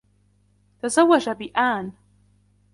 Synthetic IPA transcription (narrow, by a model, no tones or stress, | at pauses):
t̪azawːad͡ʒabɪʔaːn